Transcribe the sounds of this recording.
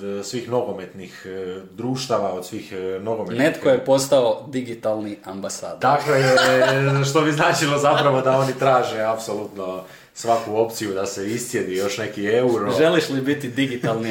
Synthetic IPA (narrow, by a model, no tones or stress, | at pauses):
d̪sʋiːxno̞ɡo̞me̞t̪nixd̪ɾuːʃt̪aʋao̞d̪sʋiːxno̞ɡomenet̪kojepo̞st̪aod̪iɡit̪alˠniambasa̰ːd̪t̪akojeʃt̪o̞biznaːt͡ʃilozapɾaʋo̞d̪ao̞nit̪ɾaːʒe̞apso̞lut̪no̞ | sʋakuo̞pt̪sijud̪aseist̪je̞d̪ijo̞ʃne̞kieuɾoʒeliʃlibit̪id̪iɡit̪alˠni